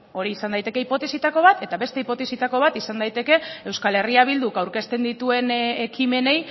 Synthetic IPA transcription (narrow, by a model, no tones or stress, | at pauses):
o̞ɾiːsand̪ajt̪e̞ke̞ipo̞t̪e̞sit̪ako̞β̞at̪e̞t̪aβe̞st̪e̞ipo̞t̪e̞sit̪ako̞β̞at̪isand̪ajt̪e̞ke̞e̞wskale̞riaβild̪ukawɾke̞st̪e̞nd̪it̪ue̞nekime̞ne̞j